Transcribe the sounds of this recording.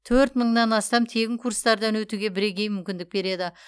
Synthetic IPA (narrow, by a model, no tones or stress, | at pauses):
t̪ʰɵɾt̪məɴnɑnɑst̪ɑmt̪ʰe̞ɡʲɪŋkʰuɾst̪ɑɾd̪ɑnwɵt̪uɡʲe̞bɪɾe̞ɡʲe̞jmʏmkʲɪnd̪ɪk̚be̞ɾe̞d̪ɪ